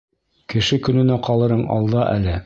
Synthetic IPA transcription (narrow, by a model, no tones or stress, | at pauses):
kɘ̆ʃɘkɵ̆nɵ̆næqɑlˠɤ̆ɾɤɴɑ̰lˠd̪ɑʔæ̰lɘ